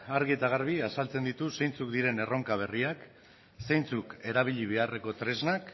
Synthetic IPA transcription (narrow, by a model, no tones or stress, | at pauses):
aɾɣiet̪aɣ̞aɾβ̞iasalt͡se̞nd̪it̪usejnt͡sukd̪iɾe̞ne̞ro̞ŋkaβ̞e̞riak | sejnt͡suke̞ɾaβ̞iʎiβ̞e̞are̞ko̞t̪ɾe̞znak